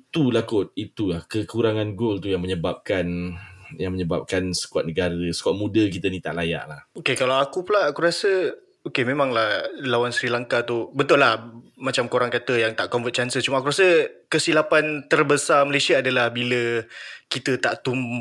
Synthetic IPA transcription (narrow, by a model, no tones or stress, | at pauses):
t̪ulakʊt̪̚it̪ulahkəkuɾaŋãnɡolt̪ujaŋməɲəbap̚kanjaŋməɲəba̰p̚kansə̥kuat̪̚nəɡaɾəsə̥kuaʔ̪̚mudəkit̪ənĩt̪a̰ʔlaja̰ʔlahokekalawakupəlaʔakuɾasə | okemẽmãŋlahlawansɾilaŋkat̪ubət̪ʊlahmat͡ʃamkoɾaŋkat̪əjaŋt̪aʔkɔmfət̚t͡ʃansət͡ʃumakuɾasəkəsilapant̪ərbəsaməlasiaːdəlahbiləkit̪ət̪aʔt̪um